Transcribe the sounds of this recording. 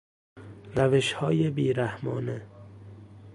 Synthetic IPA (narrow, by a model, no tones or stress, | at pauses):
ɾæveʃhɒːjebiːɾæhmɒ̰ːne